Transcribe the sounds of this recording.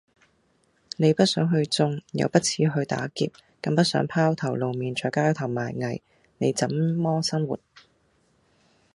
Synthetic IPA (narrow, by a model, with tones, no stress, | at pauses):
ne˨˧jpɐ˥t̚sœː˨˥ŋɦɵ˧ɥt͡sʊ˥ŋjɐ̰˨˧wpɐ˥t̚t͡sʰiː˧˥ɦɵ˧ɥt̪a̰ː˨˥kḭ˨p̚kɐ˧ŋpɐ˥t̚sœː˨˥ŋpʰaː˥wt̪ʰɐ˨˩wlo˨wmiː˨nt͡ʃʰɔː˨˧jkaː˥wt̪ʰɐ˨˩wmaː˨jŋɐ˨˩j | ne˨˧jt͡sɐ˨˥mmɔː˥sɐ˥nwṵː˨t̚